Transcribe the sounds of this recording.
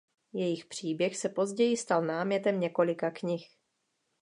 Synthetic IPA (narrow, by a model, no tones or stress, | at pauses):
jɛjɪxpr̝̥iːbjɛxsɛpo̞zɟɛjɪst̪alnaːmɲɛt̪ɛmɲɛko̞lɪkakɲɪx